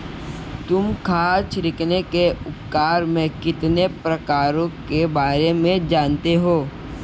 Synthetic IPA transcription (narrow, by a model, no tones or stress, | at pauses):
t̪ʊmkʰaːt͡ʃɾɪkʰnekeʊp̚kaːɾmẽkɪt̪nepɾɐkaːɾõkebaːɾemẽd͡ʒaːnt̪eɦoː